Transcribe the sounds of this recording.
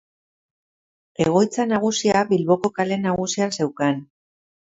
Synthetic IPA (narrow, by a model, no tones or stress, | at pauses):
e̞ɣ̞o̞jt͡sanaɣ̞usiaβilβo̞ko̞kale̞naɣusiase̞wkan